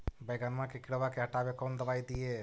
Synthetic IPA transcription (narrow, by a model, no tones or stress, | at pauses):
bəjɡanmãkekɪɽəʋakeɐʈaːʋekoːnd̪ɐʋaːjd̪ijeː